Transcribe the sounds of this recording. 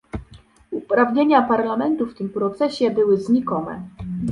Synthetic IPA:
upɾavɲeɲapaɾlamɛnt̪uft̪ɘmpɾɔt̪sɛɕɛbɘwɘzɲikɔnɛ̰

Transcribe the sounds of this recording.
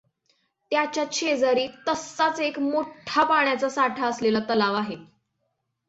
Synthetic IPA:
t̪jat͡ɕjat͡ɕʰed͡zaɾiːt̪əsːat͡sekmoʈʰapaɳjat͡sasaʈʰaəslelat̪əlaʋaɦe

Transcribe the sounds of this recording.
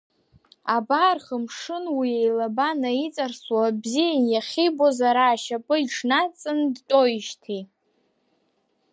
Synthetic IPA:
abaːrχəmʂɨnwiejlabanait͡sʼarswabzijajaχʲibozaɾaːʃapʼɨiʈ͡ʂʰnat͡sʼɨndtʼojʃtʰi

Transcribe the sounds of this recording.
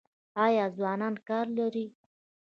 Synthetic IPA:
ɑjɑzwɑnɑnkɑɾlaɾi

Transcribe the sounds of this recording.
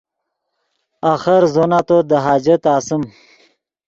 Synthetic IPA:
axəɾzonat̪od̪əɦaːd͡ʒət̪aːsəm

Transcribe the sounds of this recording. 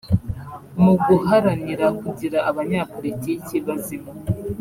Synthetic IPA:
muɡuɦaɾaniɾakuɟiɾaʔaβaɲapo̞ɾiticiβazimo

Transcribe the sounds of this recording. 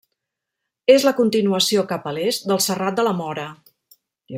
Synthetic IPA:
ezləkunt̪inuəsiokapəlezd̪əlˠsərat̪̚d̪ələmɔɾə

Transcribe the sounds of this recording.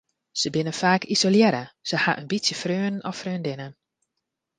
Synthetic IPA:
səbɪnənfaːkizoljɛɾəsəhaʔənbisjəfrøːnɔfrøːndɪnən

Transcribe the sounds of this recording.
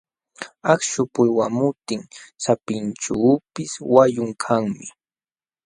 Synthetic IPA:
akʃʊpʊjwamʊt̪ɪŋsapɪnʈ͡ʂuːpɪswajʊŋkʰaŋmɪ

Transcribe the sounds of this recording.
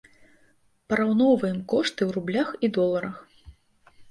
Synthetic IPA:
pɐɾawnɔwvɐjɛmkɔʂt̪ɨwɾublʲaxid̪ɔlˠɐɾɐx

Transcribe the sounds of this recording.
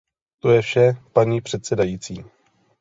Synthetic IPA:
t̪o̞jɛfʃɛpaɲiːpr̝̥ɛt̪sɛdajiːt͡siː

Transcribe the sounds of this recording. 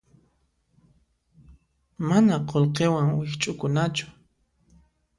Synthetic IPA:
manaqolqewaŋwixt͡ʃʼukunat͡ʃu̥

